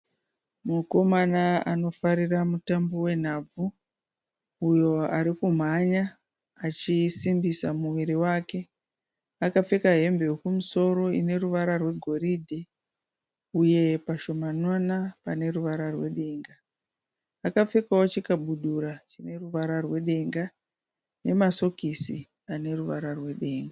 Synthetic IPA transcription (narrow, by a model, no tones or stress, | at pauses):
muko̞manaano̞faɾiramutambo̞we̞n̤aːb͡vu | jo̞aɾikum̤aɲa | at͡ʃisimbisamuʋiɾiwaːke̞ | akap͡fekaɦe̞mbewokumuso̞ɾo̞ḭne̞ruʋaɾarwe̞ɡʱo̞ridʱe | uje̞paʃo̞manwanapane̞ruʋaɾarwe̞̰ɗe̞ːŋɡaː | kap͡fekawot͡ʃikaɓuɗuɾat͡ʃine̞ruʋaɾarwe̞ɗe̞ŋɡa | ne̞maso̞kisi | ane̞ruʋaɾarwe̞ɗe̞ːŋɡa